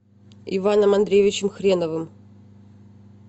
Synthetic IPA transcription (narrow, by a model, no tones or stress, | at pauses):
ɪvanəmɐnd̪ɾʲejvʲɪt͡ɕɪmxɾʲenəvɨm